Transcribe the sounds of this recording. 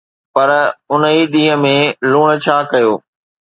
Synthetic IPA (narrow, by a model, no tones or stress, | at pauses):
pɐɾʊnəiɗĩːə̃mẽluːɽ̃̆t͡ɕʰaːkɐjoː